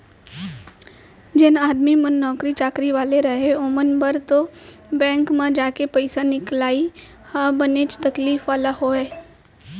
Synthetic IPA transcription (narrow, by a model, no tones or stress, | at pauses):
d͡ʒɪnaːd̪mimənːɔːkɾit͡ʃaːkɾiʋaːleɾɐɦeomənbəɾt̪o | bɛ̃ːŋkmãd͡ʒaːkepəɪsanɪklaːi | habəneːt͡ʃt̪ɐkliːfʋaːlaɦoːeː